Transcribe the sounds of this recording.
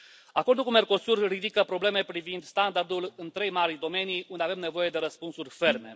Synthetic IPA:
ako̞rd̪ulkume̞rko̞surːid̪ikəpɾo̞ble̞me̞pɾivind̪st̪and̪ard̪ulɨnt̪ɾe̞jmaɾid̪o̞me̞nijund̪eave̞mne̞vo̞je̞d̪e̞ɾəspunsurʲfe̞rme̞̰

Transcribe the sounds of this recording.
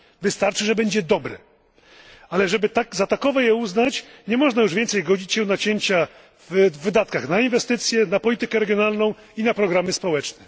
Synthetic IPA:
vɘst̪aɾt͡ʂɘʐɛbɛɲd͡ʑɛd̪ɔbɾɛ | alɛʐɛbɘt̪akzat̪akɔvɔjɛuznat͡ɕɲɛmɔʐnajuʐvʲɛnt̪sɛjɡɔd͡ʑit͡ɕɕɛ̃w̃nat͡ɕeɲt͡ɕa | vvːɘd̪at̪kaxnainvɛst̪ɘt̪sʲjɛnapɔlʲit̪ɘkɛɾɛɡʲjɔnalnɔ̃w̃ | inapɾɔɡɾamɘspɔwɛt͡ʂnɛ

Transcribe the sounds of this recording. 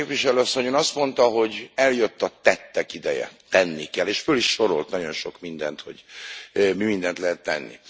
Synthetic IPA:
pʋiʃɛløɒsːo̞ɲøːnɒst̪mo̞nt̪ɒɦo̞ɟɛljøt̪ːɒt̪ɛt̪ːɛkid̪ɛjɛ̰t̪ɛnːikɛlːeːʃføliʃʃo̞ɾo̞̰lt̪nɒɟo̞nʃo̞kmind̪ɛnt̪ho̞̰ɟ | mimind̪ɛnt̪lɛɦɛt̪ːɛ̰nːḭ

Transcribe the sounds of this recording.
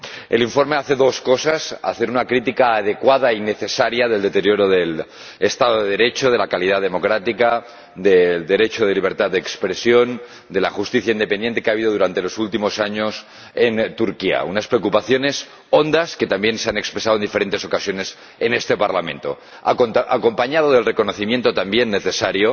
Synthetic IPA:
e̞̰liɱfo̞ɾme̞aθe̞ðo̞sko̞sasa̰θe̞ɾunakɾit̪ikaːð̞e̞kwaðaine̞θe̞saɾjaðeld̪e̞t̪eɾjo̞ɾo̞ðe̞l | est̪aðoðeðe̞ɾe̞t͡ʃo̞ð̞e̞lakalið̞aðe̞mo̞kɾat̪ika | d̪eld̪e̞ɾe̞t͡ʃoð̞e̞liβ̞e̞ɾt̪ad̪ekspɾe̞sjo̞n | d̪e̞la̰xust̪iθjaind̪epene̞nt̪ekeaβ̞iðo̞ð̞uɾant̪e̞lo̞sult̪imo̞saɲo̞s | ent̪uɾkia̰unaspɾeokupaθjo̞ne̞s | o̞nd̪aske̞t̪ambje̞nseane̞kspɾesaðoend̪ife̞ɾe̞nt̪e̞so̞kasjo̞ne̞s | ene̞st̪e̞paɾlamẽ̞nt̪o̞̰ | ako̞mpaɲaðoðelre̞ko̞noθimje̞nt̪o̞t̪ambje̞nːeθe̞saɾjo

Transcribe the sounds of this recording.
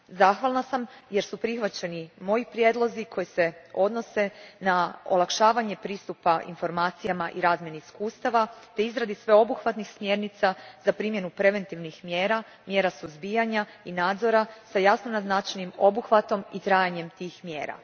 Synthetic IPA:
zaxʋalˠnasamje̞ɾsupɾixʋat͡ɕe̞nimo̞jipɾje̞d̪lˠo̞zikʰo̞jise̞o̞d̪no̞se̞nao̰lˠakʃaːʋaɲe̞pɾiːst̪upaʔḭnfo̞ɾmaːt̪sijamaʔiɾaːzmjeniiskuːst̪aʋat̪e̞izɾad̪isʋe̞o̞buxʋat̪nixsmjeɾnit̪sazapɾiːmje̞nupɾe̞ʋe̞nt̪iʋnixmjeːɾa | mje̞ːɾasuzbiːjaɲainaːd̪zo̞ɾasajasnonaznat͡ʃanimo̞buxʋat̪o̞mit̪ɾaːjaɲe̞mt̪iːxmje̞̰ːɾa̰

